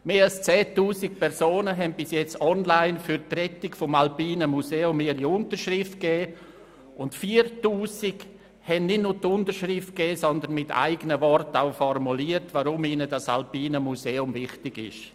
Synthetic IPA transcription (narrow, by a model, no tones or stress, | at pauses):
meːalst͡sɛːtuːsɪk̚pʰɛɾsoːnəɦɛnb̥ɪsjɛt͡sɔnlaɪnfyɾtrɛtɪkfɔmalpiːnəmuseːʊmːiːɾiʊntəɾʃrɪft̚kɛː | ʊntfiːɾtuːsɪɡ | hɛnnɪtnʊːtʊntəɾʃɾɪft̚kɛːsɔnd̪ənmɪtʰa̰ɪɡənəvɔrtaʊfɔrmuliːəɾtvaɾʊmiːnədɑsa̰lpiːnəmuseːʊmvɪχtɪɡɪ̰ʃ